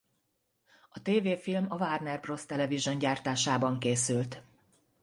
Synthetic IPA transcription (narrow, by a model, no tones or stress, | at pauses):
ɒt̪eːveːfilmɒvaːrnɛrbro̞st̪ɛlɛviʒo̞ɲɟaːrt̪aːʃaːbɒŋkeːsylt̪